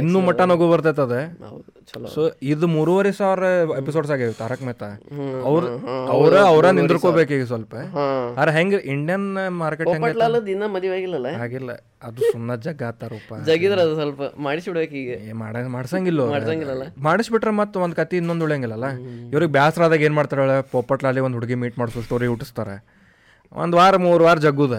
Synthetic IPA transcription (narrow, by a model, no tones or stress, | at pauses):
inːuːmɐʈːanoɡobɐɾt̪et̪̬ɐd̪ḛd̪ | soiɾd̪umuːɾuʋɐɾesaːʋɾɐepis̬oːɖs̬aːɡit̪ːaɾɐkmɛːt̪ɐɐʋɾɐʋɾeɐʋɾɐnind̪ɾkoːbekiːɡes̬ʋɐlpɐaɐd̪ɾeɦeŋɡeʔiɳɖijɐnmaːɾkeʈoẽŋpɐʈlalɐd̪inːɐmɐd̪jʋaːɡilːɐlɐaːɡilːɐ̰ | ɐd̪usumːɐd͡ʒɐɡaːt̪aɾuːpɐd͡ʒɐɡid̪ɐɾɐd̪usʋɐlpɐmaːɽisbiʈbeːkiːɡemaːɽmaːɽsaŋɡilːomaːsaŋɡilːɐlːɐmaːɽisbiʈːɾemɐt̪ːuʋond̪̚kɐt̪iːnːond̪uɭaŋɡilːɐlːɐiʋɐɾiɡebjaːsɾaːd̪aːɡeːnmaːɽt̪aɾɐɭɐpoːpɐʈlaːlːiʋond̪ɦuɽɡimiːʈmaːɽsuʂʈoɐʋɾiɡuʈːist̪aːɾḛ | ʋʔo̰nd̪aːɾmuːɾʋaːɾd͡ʒɐɡːuːd̪e